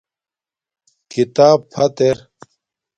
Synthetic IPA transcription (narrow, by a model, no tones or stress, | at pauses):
kit̪aːbpʰɐt̪eɾ